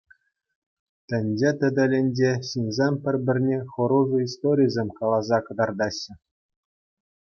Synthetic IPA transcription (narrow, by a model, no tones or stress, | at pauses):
t̪ʲɘ̆nʲd͡ʑet̪ʲɘ̆d̪ʲɘ̆lʲĕnʲd͡ʑeɕinʲzʲemʲpʲɘ̆rʲbʲɘ̆rʲnʲeχɤ̆ɾuʐɤ̆ist̪oɾʲijzʲemʲkɑlˠɑzɑkɤ̆d̪ɑrd̪ɑɕːɘ̆